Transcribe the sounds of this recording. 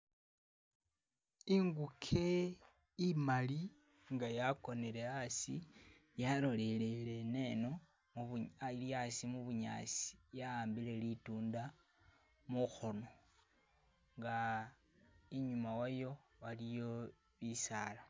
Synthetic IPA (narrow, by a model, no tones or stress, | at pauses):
iŋɡukʰe | imali | ŋɡajako̞nele̞asi | jaɾo̞lelele̞ne̞no̞ | mualjasimuβuɲa̰ːsi̥jaaːmbile̞lituːnda | muxono̞ | ŋɡa | iɲumawajo̞ | walijo̞ | βisala